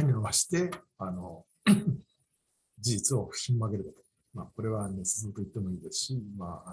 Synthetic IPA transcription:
ɲ̟ioβaɕi̥t̪e̞ano̞ | d͡ʑiʑit͡sɨo̞ɸɯ̟̥çʲĩmːoaɡe̞ɾɯ̟d̪at̪o̥ | maːko̞ɾe̞βanesɨ̥soːt̪o̞it̪ːe̞mo̞iːd̪e̞sɨ̥ɕimaː

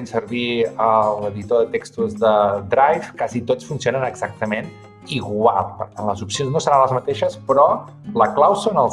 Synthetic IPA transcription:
ensəɾβiəlˠəðit̪oðət̪ekst̪uzðəd̪ɾajfkazit̪ot͡sfunsionənəɡz̥ak̚t̪əmen | iɣwalˠpə̰ɾt̪anləzupsionznosəɾanləzmət̪eʃəspɾɔ | ləklawsonəlˠ

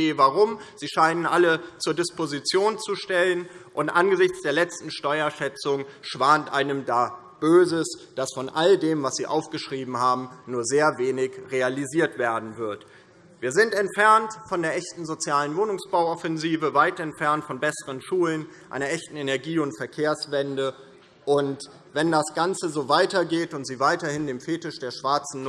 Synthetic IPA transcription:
eːvaʁʊmz̥iːʃaɪnənʔalət͡suːɐdɪspozit͡sjoːnt͡suʃtɛlənʔʊntʔanɡəzɪçt͡sd̥eːɐlɛt͡stn̩ʃtɔʏɐʃɛt͡sʊŋʃv̥aːntʔaɪnəmdaː | b̥øːzəsd̥asfɔnʔaldeːmvasz̥iːʔaʊfɡ̥əʃʁ̥iːbm̩haːbm̩nuːɐzeːɐveːnɪçʁealiziːɐtv̥eːɐdn̩vɪɐt | viːɐzɪntɛntfɛɐntfɔndeːɐʔɛçtn̩zot͡sjaːlənvoːnʊŋsb̥aʊɔfɛnziːvəvaɪtɛntfɛɐntfɔnbɛsəʁənʃuːlənʔa̰ɪnɐʔɛçtn̩enɛɐɡiːʊntfɛɐkʰeːɐsv̥ɛndə | ʔʊnt | vɛndasɡ̥ant͡səzoːvaɪtɐɡeːtʊntz̥iːvaɪtɐhɪndeːmfeːtɪʃd̥eːɐʃv̥aɐt͡sn̩

